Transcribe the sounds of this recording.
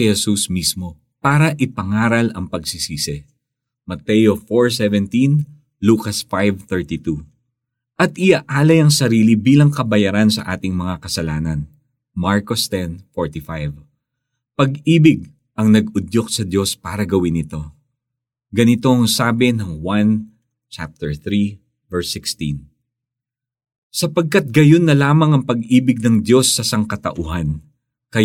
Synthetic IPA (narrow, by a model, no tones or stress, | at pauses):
ɛhɛsusmismo̞ | paːɾɐʔɪpɐŋaːɾɐlɐŋpɐɡsɪsiːsɪ | mɐt̪ɛjo̞foɹs̬ɛvɛnt̪in | luːkɐsfajvθɛɹt̪it̪u | ʔɐt̪ɪaʔaːlɐjɐŋsɐɾiːlibiːlɐŋkɐbɐjɐɾansɐ̰ʔaːt̪ɪŋmɐŋakɐsɐlaːnɐn | maɹkost̪ɛnfoɹt̪ifajv | pɐɡiːbɪɡ̚ | ʔɐŋnɐɡʊd̪joksɐd̪jo̞spaːɾɐɡɐwɪnɪt̪o̞ | ɡɐnɪt̪o̞ɐŋsaːbɪnɐŋwan | t͡ʃa̰p̚t̪ɛɹθɾi | vɛɹsɪkst̪ḭ̃n | sɐpɐɡ̚kat̪̚ɡɐjo̞nːɐlaːmɐŋɐŋpɐɡiːbɪɡ̚nɐŋd̪jo̞sːɐsɐŋkɐt̪ɐ̰ʔʊɦan | kɐ